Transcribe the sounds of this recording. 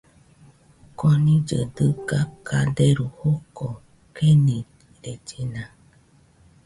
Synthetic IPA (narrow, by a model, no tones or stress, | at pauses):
konĩd͡ʒə̰dɨkakʰadeɾuhoko | kenĩ | ɾed͡ʒinã